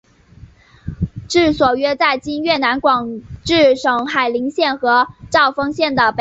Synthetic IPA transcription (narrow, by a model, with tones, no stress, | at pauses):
ʈ͡ʂɻ̩˥˩swɔ˨˩ɥɛ˥t͡sa˥˩ɪt͡ɕi˥nɥɛ˥˩na˧˥nkwɑ˨˩ŋʈ͡ʂɻ̩˥˩ʂɤ˨˩ŋxa˨˩ɪli˧˥ŋɕjɛ˥˩nxɤ˧˥ʈ͡ʂɑ˥˩ʊfɤ˥ŋɕjɛ˥˩nd̪ə˩p